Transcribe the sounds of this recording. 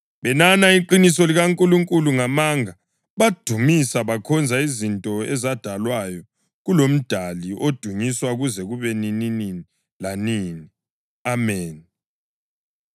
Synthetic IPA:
βɛnanaiǃinisɔliɣaŋkʼuluŋkʼuluŋamaŋa | βad̥ʱumisaβakʰɔnd͡zʱaizintʼɔɛzad̥ʱalwajɔ | ɣulom̩d̥ʱaliʔod̥ʱuŋiswaɣuzɛɣuβɛnininini | laniːni | amɛːn

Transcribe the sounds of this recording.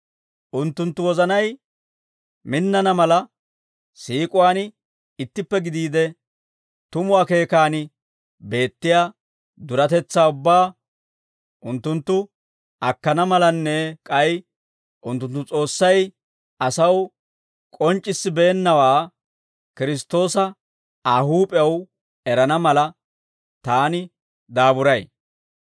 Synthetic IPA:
ʔʊnt̪ːʊnt̪ːʊwɔzɐnɐj | mɪnːɐnɐmɐlɐ | siːkʼʊwaːn | ɪt̪ːɪpːɛɡɪd̪iːd̪ɛ | t̪ʊmʊwaːke̞ːkaːnɪ | be̞ːt̪ːɪjaː | d̪ʊɾɐt̪ɛt͡sːaːʊbːaː | ʔʊnt̪ːʊnt̪ːʊ | ɐkːɐnɐmɐlɐnːɛkʼɐj | ʔʊnt̪ːʊnt̪ːʊt͡sʼo̞ːsːɐj | ɐsɐw | kʼɔnt͡ʃʼːɪsːɪbeːnːɐwaː | kɪɾɪst̪ːo̞ːsɐ | ahuːpʼɛɐw | ɛɾɐnɐmɐlɐ | t̪aːnɪ | d̪aːbʊɾɐj

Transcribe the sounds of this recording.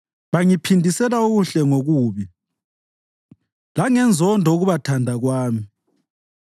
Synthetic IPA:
βaŋipʰindʱisɛlauɣuɬɛŋoɣuːβi | laŋɛnd͡zʱɔndʱɔoɣuβatʰandʱaɣwaːmi

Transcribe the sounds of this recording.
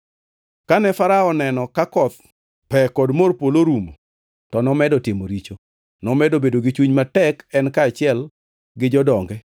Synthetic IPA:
kanɛfaɾaɔnɛnɔkakɔt̪̚ | pɛkɔdmorpoloɾumo̰ | tɔnɔmɛdɔtɪmoɾit͡ʃo | nɔmɛdobedoɡɪt͡ʃuɲmatɛkɛnkaːt͡ʃɪɛl | ɡɪd͡ʒɔdɔŋɡɛ

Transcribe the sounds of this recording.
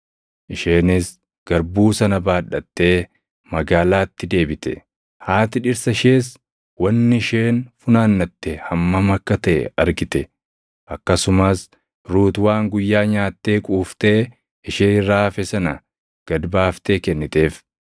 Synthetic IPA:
ʔɪʃeːnɪs | ɡ̥ɐɾbuːsɐnɐbaːᶑɐt̪ːe̞ː | mɐɡaːlaːt̪ːɪd̪e̞ːbɪt̪ɛ̰ | haːt̪ɪᶑɪɾsɐʃeːs | wɐnːɪɪʃeːnfʊnaːnːɐt̪ːɛhɐmːɐmɐkːɐt̪ɐʔɛ̰ɐɾɡɪt̪ɛ | ʔɐkːɐsʊmɐs | ɾuːt̪waːŋɡʊjːaːɲaːt̪ːe̞ːkʼuːft̪e̞ː | ɪʃeːɪrːaːfɛsɐnɐ | ɡ̥ɐd̪baːft̪eːkɛnːɪt̪e̞ːf

